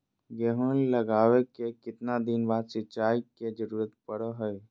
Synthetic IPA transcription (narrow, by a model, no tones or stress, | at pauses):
ɡeɦolləɡaːwekekɪt̪nad̪ɪnbaːd̪sɪt͡ʃaːiked͡ʒəɾuːɾət̪̚pəɽəɦəj